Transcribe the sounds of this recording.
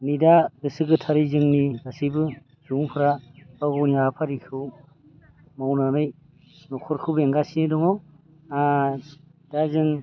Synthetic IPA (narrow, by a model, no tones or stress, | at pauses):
nidadɯsɯɡɯtʰaɾizɯŋniɡasibɯ | z̥uŋpʰɯɾabaɡɔwnijapʰaɾikʰɯw | mawnanɯj | nɔkʰɔɾkʰɯbeŋɡasinidɔŋaw | a | d̥azɯŋ